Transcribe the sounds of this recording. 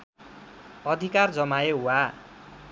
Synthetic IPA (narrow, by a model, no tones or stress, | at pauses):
ʌd̪ʱikard͡zʌmajeɦuwa